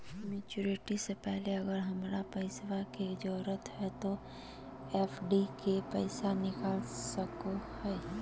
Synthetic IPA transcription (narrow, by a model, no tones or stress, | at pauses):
meːt͡ʃuɾɪʈisepɛɦleɐɡəɾɦɐmɾapəɪswakeɪd͡ʒɔːɾət̪ɦɛt̪o | eːfʰɖikepɛɪsanɪkalsəkohɛː